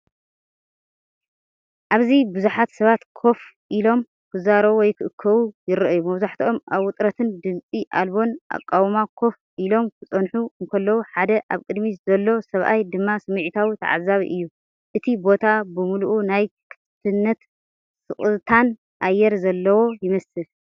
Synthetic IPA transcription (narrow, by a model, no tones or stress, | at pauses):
ʔaβzibɨzuħat̪sɐβat̪kʰo̞f | ʔilo̞m | kʰɨzaɾɐβwɔjkʰɨʔɨkʰːɐβujɪɾɨʔɨjumɐβzaħt̪ʰiʔo̞maβʔʊt̪ʼɾɐt̪ʰɨnd̪ɨmt͡sʼiʔa̰lbo̞nʔa̰kʼːawmakʰo̞f | ʔilo̞mkʰɨt͡sʼɐnħuɨŋkʰɐlːɐwuħad̪ɐʔa̰βkʼɨd̪mizɐlːo̞sɐβʔa̰jd̪ɨmːasɨmɨʕit̪ʰawit̪ʰɐ̰ʕa̰zaβḭʔɨjːu | ʔɨt̪ʰibo̞t̪ʰabɨmuluʔunajkʰɨ̥t̪t̪ʰɨnːɐt̪ | sɨχʼt̪ʰan | ʔajːɛɾzɐlːɐwo̞jɪmɐsɨl